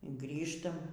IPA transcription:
ˈɡrʲiːʃtɐm

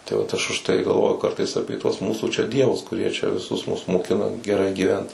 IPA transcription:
tɐɪ ˈʋɐt ˈɐʃ ʊʃˈtɐɪ ɡɐlˠˈʋoːjʊ ˈkɐrtɐɪs ˈɑːpʲeː tuɔs ˈmuːsuː t͡ʃʲɛ ˈdʲiɛʋʊs kʊˈrʲiɛ t͡ʃʲɛ ʋʲɪˈsʊs mʊs moːˈkʲɪnɐ ɡʲɛˈrɐɪ ɡʲiːˈʋʲɛnt

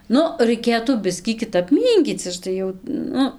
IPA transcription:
ˈnʊ rɐɪˈkʲeːtuː ˈbʲɪsʲkʲiː kʲɪˈtɐp ˈmʲiːŋʲkʲiːt͡s ˈɐʃ tɐɪ jɛʊ ˈnʊ

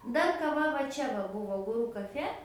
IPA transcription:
ˈdɐr kɐˈʋɐ ʋɐ ˈt͡ʃʲɛ ʋɐ ˈbuːʋoː ɡʊˈrʊ kɐˈfʲɛ

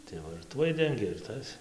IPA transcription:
tɐɪ ˈʋɐ ɪr ˈtuɔj ˈdʲɛŋʲɡʲeː ɪr ˈtɐs

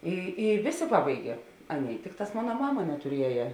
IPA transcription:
ɪ ɪ ˈʋʲeːˌsʲeː ˈpɑːbɐɪɡʲɛ ˈɑːnʲˌeːɪ ˈtʲɪkˌtɑːs ˈmoːnɐ ˈmɑːmɐ nʲɛtʊˈrʲiɛjɛ

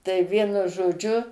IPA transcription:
tɐɪ ˈʋʲiɛnʊ ʒoːˈd͡ʒʲʊ

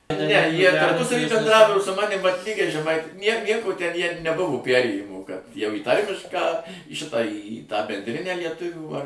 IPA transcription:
nʲɛ ˈjiɛ tɐrˈpʊsɐʋʲiː bʲɛnˈdrɑːʋoː oː sʊ ˈmɑːnʲɪm ʋɐt ˈlʲiːɡʲɛɪ ʒʲɛˈmɐɪtʲɪ ˈjiɛm ˈnʲiɛkoː tʲɛn ˈjiɛ nʲɛˈbʊʋoː ˈpʲærʲeːjɪmuː jɛʊ iː ˈtɐrʲmʲɪʃkɑː iː ˈʃʲɪtɑː iː tɑː bʲɛnʲdʲˈrʲɪnʲæː lʲiɛˈtʊʋʲuː ɐr

